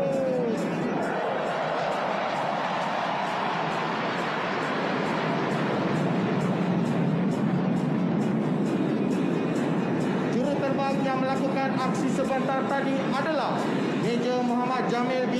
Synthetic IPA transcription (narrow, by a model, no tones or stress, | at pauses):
d͡ʒuɾut̪ərbaŋjaŋməlakukanaksisəbant̪art̪adiʔadalah | med͡ʒəmoɦamad̪̚d͡ʒamɪlbi